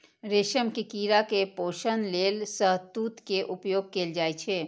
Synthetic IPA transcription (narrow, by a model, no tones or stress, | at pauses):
ɾeːʃəmkikiːɾakepoːʃənleːlsəɦt̪uːt̪keʔʊpjoːɡ̚keːld͡ʒaːet͡ʃʰeː